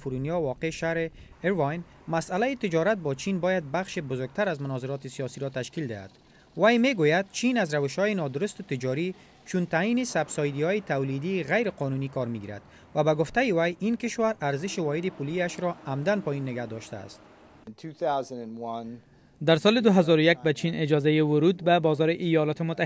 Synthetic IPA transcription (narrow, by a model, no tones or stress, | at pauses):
fuɾunjɔwɔqeʃahɾɪ | ɪɾwajn | masalajɪt̪ɪd͡ʒɔɾat̪̚bɔt͡ʃʰinbɔjad̪̚baxʃɪbʊzʊɾɡ̚t̪aɾazmʊnɔzɪɾɔt̪ɪsijɔsiɾɔt̪aʃkild̪ɪha̰d̪ | wajmeɡojad̪̚t͡ʃʰinazɾawɪʃhɔjɪnɒd̪ʊɾʊst̪ʊt̪ɪd͡ʒɒɾi | t͡ʃunt̪ajinɪsabsɔjd̪ihɔjɪt̪awlid̪iɣajɾɪqɔnunikɔɾmiɡiɾa̰d̪ | wabaɡʊft̪ajɪwajinkɪʃwaɾaɾzɪʃɪwɔɦɪd̪ɪpuliaʃɾɔamd̪anpɔinːɪɡahd̪ɔʃt̪a̰ːst̪̚ | ntʰʉθaʊz̃nɨ̃nwʌ̃n | d̪aɾsɔlɪd̪ʊɦazɔɾʊjak̚bat͡ʃʰinɪd͡ʒɒzajɪwʊɾud̪babɒzɔɾɪʔɪjɔlɔt̪ɪmʊt̪ːa